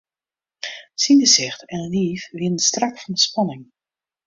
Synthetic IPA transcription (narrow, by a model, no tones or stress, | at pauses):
sinɡəsɪxtɛnəliːfʋɪnənstrakfɑndəspɑnɪŋ